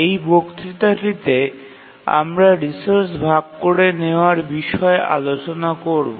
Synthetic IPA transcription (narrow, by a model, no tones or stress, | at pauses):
ejbokt̪ɾit̪aʈit̪e | a̰mɾaɾisoɾsbʱaɡ̚koɾeneoaɾbiʃɔeʔa̰lot͡ɕonakoɾbo